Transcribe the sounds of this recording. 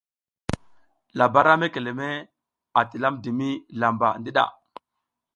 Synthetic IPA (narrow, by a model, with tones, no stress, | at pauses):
la˨ba˦ɾa˦me˦ke˨le˨me˦ | a˨ti˨la˦mdi˨mi˦la˨mba̰˨ndi˦ɗa̰˨